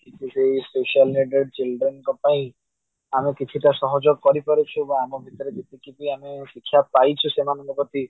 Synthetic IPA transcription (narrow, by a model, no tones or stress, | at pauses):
kitʰiseɦispesialneɖeɖ̚t͡ʃilɖɾenkɔpaĩ | amekit͡ʃʰiʈasɔɦɔd͡ʒɔkɔɾipɔɾet͡ʃʰubaamɔbʱit̪ɔɾed͡ʒet̪ikipiĩamesikʰːjapajt͡ʃʰusemanɔŋɡɔpɔt̪i